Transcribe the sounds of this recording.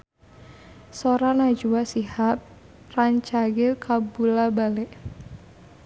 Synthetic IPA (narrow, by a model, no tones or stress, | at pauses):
soɾanad͡ʒuasihap̚ | raɲt͡ʃaɡɪlkʰabulabalɛʔ